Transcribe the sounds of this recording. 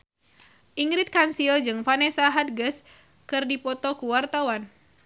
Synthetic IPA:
ʔiŋɾit̪̚kansild͡ʒɨŋfanɛsaɦat̪̚ɡəs | kɨrdipɔt̪ɔkuwart̪awan

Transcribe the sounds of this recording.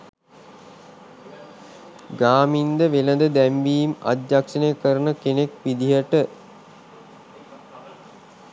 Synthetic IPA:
ɡaːmind̪əʋeləd̪əd̪æmʋiːma̰d̪jakʂənejkəɾənəkenekʋid̪iɦəʈə

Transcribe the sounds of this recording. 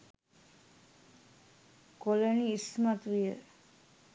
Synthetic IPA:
koləniːsmat̪ʋijə

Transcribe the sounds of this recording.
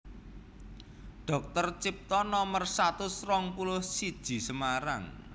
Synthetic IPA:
ɖ̥ɔ̤k̚t̪ərt͡ʃip̚t̪ɔnɔmərsat̪ʊsrɔŋpulʊhsid̥ʒ̥i̤səmaɾa̰ŋ

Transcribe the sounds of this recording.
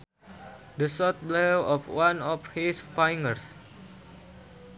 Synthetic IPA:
dəsɔt̪̚blɛwɔfwãnɔfhisfajŋərs

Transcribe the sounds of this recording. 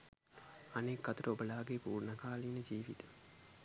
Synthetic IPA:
anekːat̪uɾəobəlaːɡepuːrnəkaːliːnəd͡ʒiːʋit̪ə

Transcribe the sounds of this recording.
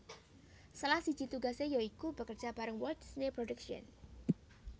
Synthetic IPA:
səlahsi̥ʒ̥i̤t̪uɡasejoikubəkərd͡ʒ̥ab̥aɾəŋwɔrt̪snepɾodəkʃɔ̰n

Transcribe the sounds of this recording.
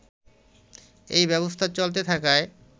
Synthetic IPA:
ḛjbɛβost̪ʰat͡ɕolt̪̬et̪ʰakae

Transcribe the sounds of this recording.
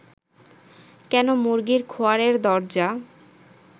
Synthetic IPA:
kɛnomuɾɡiɾkʰoaɾeɾd̪ɔɾd͡ʑa

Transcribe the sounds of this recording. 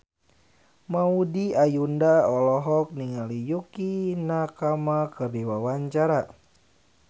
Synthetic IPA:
maudiajundaɔlɔɦɔk̚niŋalijukinakamakɨrdiwawaɲt͡ʃaɾa

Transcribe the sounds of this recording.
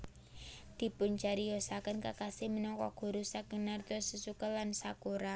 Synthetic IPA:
d̪̥i̤pʊnt͡ʃaɾijɔsakənkakasɪmənɔŋkɔɡ̥o̤ɾusaɡ̥ə̤nart̪ʊsusukəlansakuɾa

